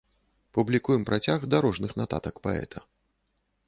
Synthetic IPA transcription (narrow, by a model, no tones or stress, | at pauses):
publʲikujɛmpɾat͡sʲaɣd̪aɾɔʐnɨxnat̪a̰t̪ɐkpa̰ɛ̰t̪ʰɐ